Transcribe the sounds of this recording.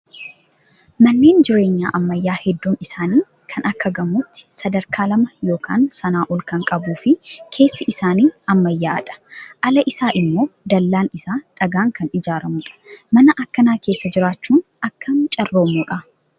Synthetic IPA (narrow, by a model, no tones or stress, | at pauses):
mɐnːe̞ːnd͡ʒɪɾe̞ːɲːa̰ːʔɐmːɐjːaːhɛd̪ːuːmɪsaːniː | kʰɐnʔɐkːɐɡɐmʊt̪ːɪ̥sɐd̪ɐɾkʰaːlɐmɐjo̞ːkʰa̰ːnsɐnaːʔɔlkɐŋkʼɐbuːfɪkʰe̞ːsːɐʔɪsaːniːɐmːɐjːaːʔɐ̰ᶑɐ̥ʔɐlɐʔɪsaːʔɪmːo̞ːd̪ɐlːaːnɪsaːᶑ̥ɐɡaːŋkɐnɪd͡ʒaːɾɐmʊᶑɐ̥mɐnɐʔɐkːɐnaːke̞ːsːɐd͡ʒɪɾaːt͡ʃːuːnʔɐkːɐnt͡ʃʼɐrːo̞ːmuᶑɐ